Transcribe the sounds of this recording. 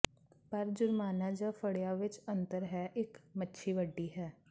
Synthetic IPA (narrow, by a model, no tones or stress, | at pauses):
pəɾd͡ʒʊɾmaːnaːd͡ʒafəɽjaʋɪt͡ʃə̃nt̪əɾɦɛːʔɪkmətːʃʰiʋəɖːiːɦɛː